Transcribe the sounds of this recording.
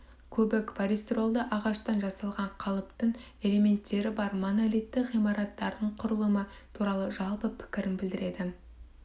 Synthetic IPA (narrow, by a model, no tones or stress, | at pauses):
kʲʰɵbɪkpaɾʲist̪ro̞lˠd̪əʔɑʁɑʃt̪ɑnʒɑsɑlˠʁɑɴqʰɑlˠəpt̪əɴ | e̞le̞me̞nt̪ːe̞ɾɪbɑɾmonalijt̪ːɪqʁijmɑɾɑt̪ːɑɾəd̪əɴqʰʊɾəlˠəmə | t̪ʰuɾɑlˠəʒɑlˠpəpʰɪ̥kʲɪɾɪnbɪld̪ɪɾe̞d̪ɪ